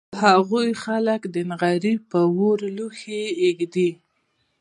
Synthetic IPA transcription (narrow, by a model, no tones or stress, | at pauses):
haɣujxaləkd̪ənɣaɾipəwoɾluxeːɡd̪i